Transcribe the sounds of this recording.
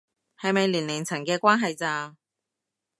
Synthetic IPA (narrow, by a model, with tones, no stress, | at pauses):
hɐ˨jmɐ˨jlyː˨˩nlɪ˨˩ŋt͡sʰɐ˨˩ŋkɛː˧kʷaː˥nɦɐ˨jt͡saː˧